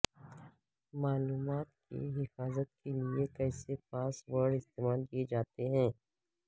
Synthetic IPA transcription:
maːluːmaːt̪̚kḛɦɪfaːzət̪̚keliekɛːsepaːswəɽɪst̪eːmaːlkied͡ʒaːt̪eɦɛ̃ː

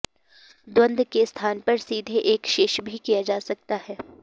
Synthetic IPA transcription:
d̪wə̃nd̪kest̪ʰaːnpɐɾsiːd̪ʱeʔeːkʃɪʃbʱikijad͡ʒaːsɐk̚t̪aɦɛː

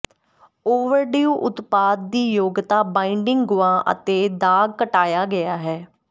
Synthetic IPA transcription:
oːʋəɾɖiːuːʔʊt̪paːd̪̚d̪iːjoːɡt̪aːbaːɪɳɖɪŋɡɡʊãːʔə̰t̪eːd̪aːɡ̚kəʈaːjaːɡɪaːɦɛː

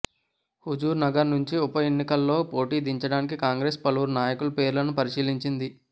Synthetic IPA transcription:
hud͡ʒuːɾnɐɡɐɾnuɲt͡ʃiupɐje̞nːikɐlːo̞ːpo̞ːʈiːd̪iɲt͡ʃɐɽaːnik̬ikaːŋɡɾe̞ːspɐluuɾnaːjɐkulɐpe̞ːɾulɐnupɐɾiʃiːliɲt͡ʃind̪i

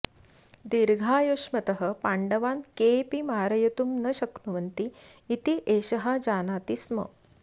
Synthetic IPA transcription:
d̪iɾɡʱaːjoʂmɐt̪əɦə̆paɳɖəʋankepimaːɾɐjɐt̪umnəɕɐknuʋɐnt̪iː | t̪iʔeɕɐɦad͡ʑaːnaːt̪ismə̰

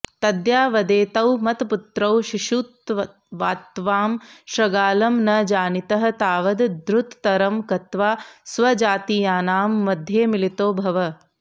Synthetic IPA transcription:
t̪ɐd̪jaːʋɐd̪eːt̪ɐwmɐt̪put̪ɾɐwʃiʃuːt̪ɐ | ʋaːt̪ʋaːmʃɾɐɡaːlɐmnɐd͡ʒaːnit̪ɐɦɐ̆t̪aːʋɐd̪d̪ɾut̪ːɐɾɐmkɐt̪ʋaːsʋɐd͡ʒaːt̪iːjaːnaːmːɐd̪ʱjeːmilit̪oːbʱɐʋɐ

